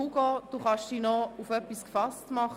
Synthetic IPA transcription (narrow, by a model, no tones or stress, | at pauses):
uɡ̥ɔːd̥uχɑʃd̥iːnɔufœpːiskfɑstmɑχ